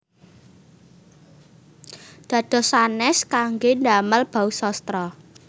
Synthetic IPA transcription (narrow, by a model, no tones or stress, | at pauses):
d̪̥ä̤d̪̥ɔ̤sanɛskaŋɡendaməlb̥a̤usɔst̪ɾɔ